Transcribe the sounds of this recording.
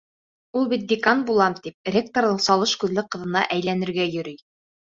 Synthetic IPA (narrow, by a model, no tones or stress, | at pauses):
ulˠbit̪̚d̪ɪkanbulˠɑmt̪ip̚rʲek̚t̪oɾðɤɴsɑlˠɤʃkʉðlɘqɤ̆ðɤ̆nɑʔæjlænɘ̆ɾɡæjɵ̆ɾɘj